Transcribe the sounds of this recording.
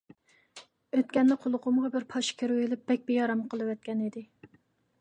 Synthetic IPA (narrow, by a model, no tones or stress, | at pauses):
øt̪kʲɛnːɪqʰolˠʊqʊmʁɑbɪɾpʰɑʃkʲʰeɾuwelɪp̚b̥ɛk̚ʲbejɑɾɑmqʰəlˠɨwɛt̪̚kʲɛnid̪ɪ